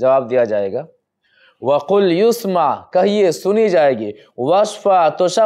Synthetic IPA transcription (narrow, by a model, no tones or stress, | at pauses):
d͡ʒɐʋaːb̚d̪ijad͡ʒaːeːɡaː | wɐqʊljʊsmaʕkɐɦiesʊnid͡ʒaːeːɡiː | wɐʃfat̪oʃɐ